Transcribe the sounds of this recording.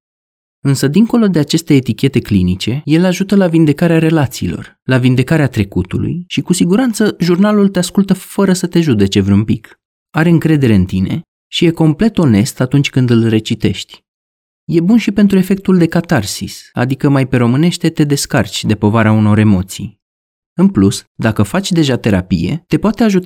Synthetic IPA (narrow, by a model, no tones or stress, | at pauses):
ɨnsəd̪iŋko̞lo̞d̪e̞at͡ʃe̞st̪e̞ːt̪ikʲe̞t̪e̞klinit͡ʃe̞je̞laʒut̪əlavind̪e̞kaɾeaɾe̞lat̪siːlo̞̰r | lavind̪e̞kaɾeat̪ɾe̞kut̪ulṵjʃikusiɡuɾant̪səʒurnalult̪e̞askult̪əfəɾəsət̪e̞ʒud̪e̞t͡ʃe̞vɾʲunpik | aɾe̞ɨŋkɾe̞d̪e̞ɾe̞ɨnt̪ine̞ | ʃije̞ko̞mple̞t̪o̞ne̞st̪at̪unt͡ʃʲkɨnd̪ɨlre̞t͡ʃit̪e̞ʃt̪ʲ | je̞bunʃipent̪ɾue̞fe̞k̚t̪uld̪e̞kat̪arsisa̰d̪ikəmajpe̞ɾomɨne̞ʃt̪e̞t̪e̞d̪e̞skart͡ʃʲd̪e̞po̞vaɾeauno̞ɾe̞mo̞t̪sḭj | ɨnplusd̪akəfat͡ʃʲd̪e̞ʒat̪e̞ɾa̰pḭje̞̰t̪e̞poat̪e̞aʒut̪